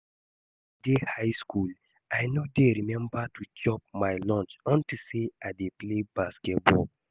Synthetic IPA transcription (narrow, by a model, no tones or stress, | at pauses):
dehaɪskul | ajnodeɾimɛ̃mbatut͡ʃɔp̚majlɔ̃nt͡ʃɔ̃ntiseaɪdeplebaskɛt̚bɔ